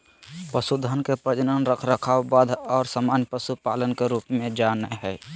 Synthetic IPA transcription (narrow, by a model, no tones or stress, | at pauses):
pəsud̪ʱənkepɾəd͡ʒnənɾəkʰɾəkʰawbaːd̪ɔːɾsamaːnjpəsupaːlənkeɾuːpmẽd͡ʒaːnəɦɛː